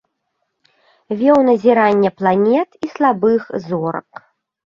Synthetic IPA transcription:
vʲɛwnɐzʲiɾanʲːɛplˠanʲɛt̪islˠabɨxzɔɾɐ̰k

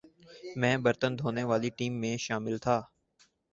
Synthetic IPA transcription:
mɛ̃ːbəɾt̪ənd̪ʱoːneʋaːliʈiːmːẽʃaːmɪlt̪ʰaː

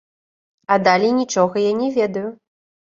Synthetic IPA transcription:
ɐd̪alʲinʲit͡ʂɔɣɐjanʲɛvʲɛd̪ɐju

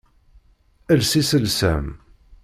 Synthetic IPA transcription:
ælsisəlsæm

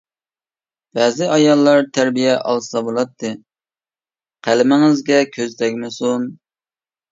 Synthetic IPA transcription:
b̥ɛːzɪʔɑjɑlˠːɑɾt̪ʰæɾbijɛʔɑ̰lˠsɑbolˠɑt̪ʰːɨ | qʰælɪmɪŋɪzɡʲɛkʲʰøzd̪ɛkʲmɪsun

